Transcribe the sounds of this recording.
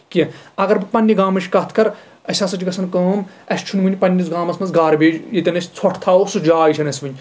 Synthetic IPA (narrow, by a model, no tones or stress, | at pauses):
kiɐɡɐɾbɨpɐnʲːiɡaːmɐʃʰʲkɐt̪ʰkɐɾ | ɐsʲaːsɐt͡ʃʲiɡɐsʰɐnkɐːm | ɐsʲt͡ʃʰunʲmɨnʲipɐnʲːisɡaːmɐsmɐnt͡sɡaːɾbeːd͡ʒjit̪ʲɐnɐsʲt͡sʰoʈʰt̪ʰaːosud͡ʒaːit͡ʃʰɐnɐsʲʋɨnʲ